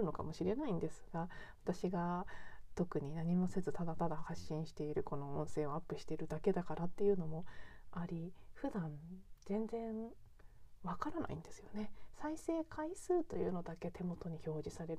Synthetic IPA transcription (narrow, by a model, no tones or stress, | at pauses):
ɯ̟no̞ka̰mo̞ɕiɾe̞naĩnd̪e̞sɨɡ̥aβat̪aɕiɡat̪o̞kɯ̟ɲ̟inaɲ̟imo̞se̞zɨt̪ad̪at̪ad̪ahaɕːĩɰ̃ɕi̥t̪e̞iɾɯ̟ko̞no̞õ̞ɰ̃se̞ːoapːɯ̟ɕi̥t̪e̞iɾɯ̟d̪ake̞d̪akaɾat̪ːe̞jɯ̟ːno̞mo̞aɾʲiɸɯ̟d̪ãnz̥ẽ̞nd͡zẽ̞ɰ | βakaɾana̰ḭ̃nd̪e̞sɨ̥jo̞ne̞saise̞ːkʰaisɨːt̪o̞jɯ̟ːno̞d̪ake̞t̪e̞mo̞t̪o̞ɲ̟iço̞ːd͡ʑisaɾe̞ɾ